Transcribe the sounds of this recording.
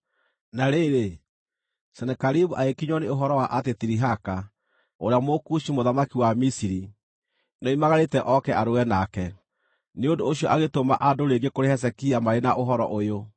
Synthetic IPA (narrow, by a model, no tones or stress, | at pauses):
naɾeɾe | sɛnɛkaɾiβuʔaekiɲɔneoɦɔɾɔwaʔatetiɾiɦaka | oɾeamokuʃimoðamakiwamisiɾi | nɔimaɣaɾetɛʔɔkɛʔaɾowɛnakɛ | neondoːɕiɔʔaɣetoma̰ʔadoɾeɡekoɾeɦɛs̬ɛkiamaɾenaʔoɦɔɾɔʔojo